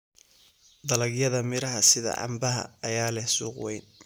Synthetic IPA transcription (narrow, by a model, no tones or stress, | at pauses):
d̪ɐlɐɡjɐðɐmɪɾɐɦɐsɪðɐ̰ʕɑ̰mbɐɦɐ̰ːjaːlɛhsuːqwɛjn